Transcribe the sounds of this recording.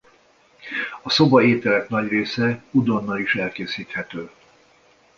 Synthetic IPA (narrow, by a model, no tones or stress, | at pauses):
ɒso̞bɒeːt̪ɛlɛknɒɟreːsɛud̪o̞nːɒiʃɛlkeːsiːt̪hɛt̪øː